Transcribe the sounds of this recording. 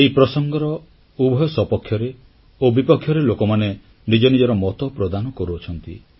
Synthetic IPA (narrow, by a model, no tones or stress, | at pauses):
eɦipɾɔsɔŋɡɔɾɔ | ubʱɔjɔsɔpɔkʰːjɔɾe | obipɔkʰjɔɾelokɔmane | nid͡ʒɔnid͡ʒɔɾɔmɔt̪ɔpɾɔd̪anɔkɔɾuɔt͡ʃʰɔnt̪i